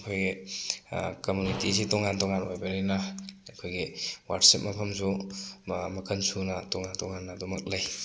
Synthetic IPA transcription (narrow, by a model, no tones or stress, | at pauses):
kʰojɡi | kɐmjunitisitɔŋantɔŋanojbaɾejnɐɐkʰojɡiwatsip̚mɐpʰɐmsu | mɐkʰɐnsunɐtɔŋantɔŋanːɐːdomɐk̚laj